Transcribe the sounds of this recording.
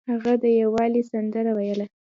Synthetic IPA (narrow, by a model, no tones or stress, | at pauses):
haɣad̪əjawɑlisand̪əɾawajəla